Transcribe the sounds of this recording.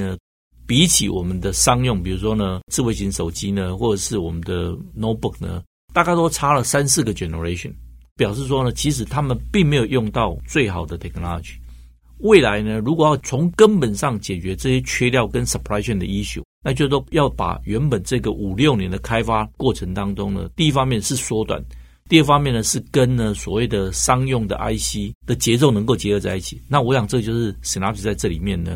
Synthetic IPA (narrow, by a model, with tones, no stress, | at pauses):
nə˧ | pi˧˥t͡ɕʰḭ˨wɔ˨˩mə˦nd̪ə˨ʂɑ˥ŋjʊ˥˨˩ŋpi˨˩u˧˥ʂ̬wɔ˥nə˧t͡sɻ̩˥˧we˥˩ɪɕi˧˥ŋʂo˨˩ʊt͡ɕi˥nə˧xwɔ˥˩ʈ͡ʂə˨˩ʂɻ̩˥˩wɔ˨˩mə˦nd̪ə˧no˥ʊbu˥˩k̚nə̰˦ | t̪a˥˨˧t͡ɕa˥˧t̪o˥ʊt͡sʰa˥lə˨sa˦nsɹ̩˥˩ɡə˩t͡ɕɛ˨˩nə˧ɹe˥˧ɪɕə̰˨˩npjɑ˨˩ʊʂ̬ɻ̩˥˩ʂ̬wɔ˥nə˧t͡ɕʰi˧˥ʂ̬ɻ̩˨˩˦t̪ʰa˦˥mə˨npi˥˩ŋme˧˥jo˨˩ʊjʊ˥˧ŋt̪ɑ˥˨ʊt͡swe˥˩ɪxɑ˨˩ʊd̪ə˦t̪ʰɛ˨˩kna̰˥˩˨t͡ɕi̥˨˩ | we˥˩ɪla˧˥ɪnə˧ɻu˧˥kwɔ˨˩jɑ˥˩ʊt͡sʰʊ˧˥ŋkə˦npə˨˩nʂɑ˥˩ŋt͡ɕjɛ˨˩t͡ɕɥɛ˧˥t͡sɤ˥˧ɕjɛ˥t͡ɕʰɥɛ˥˧ljɑ˥˩ʊkə˦nsə˨pʰɹa˥ɪɕɛ˥˩nd̪ə̰˨i˥ɕjṵ˨˦na˥˧t͡ɕjo˥˧ʊt̪o˥ʊjɑ˥˩ʊpa̰˨˩ɥɛ˧˦˥npə˨˩nt͡sɤ˥˩ɡə˨ʔu˨˩ljo˥˨˩ʊnjɛ˧˥nd̪ə˨kʰa˥ɪfa˥kwɔ˥˩ʈ͡ʂʰə˧˦ŋt̪ɑ˥ŋʈ͡ʂʊ˥ŋnə̰˨t̪i˥˧i˦˥fɑ˥ŋmjɛ˥˧nʂɻ̩˥˩swɔ˥t̪wa̰˨˩˦n | t̪i˥˧ə˥˩fɑ˥ŋmjɛ˥˩nə˩ʂɻ̩˥˩kə˦nnə˨swɔ̰˨˩we˥˩ɪd̪ə˩ʂɑ˥ŋjʊ˥˩ŋd̪ə̰˨ʔa˥ɪɕi˥d̪̥ə˨t͡ɕjɛ˧˥t͡so˥˩ʊnə˧˥ŋko˥˩ʊt͡ɕjɛ˧˥xɤ˧t͡sa˥˧ɪi˥˩t͡ɕʰi̥˨˩na˥˩˨wɔ˧˥ɕjɑ˨˩ŋt͡sɤ˥˧t͡ɕjo˥˧ʊʂɻ̩˥˩si˨˩na˧˥t̪ʰi˨˩t͡sa˥˧ɪʈ͡ʂɤ˥˩lḭ˨˩mjɛ˥˩nnə̰˩